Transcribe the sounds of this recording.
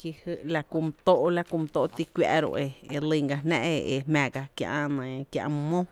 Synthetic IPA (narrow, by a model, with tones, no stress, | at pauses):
ki˧hɨ˦˧ʔla˧ku˧m˧t̪o˦ʔla˧ku˧m˧t̪o˧˨˧t̪i˧kʷja̰˧ʔɾo̰˧ʔe˧˨e˧li˧˨ŋɡa˧nɛ̰̃˦ʔe˧e˨hmã˨ɡa˧kjã̰˧ʔa˦˧nə̃˨˧kjã̰˧ʔm˧mõ˦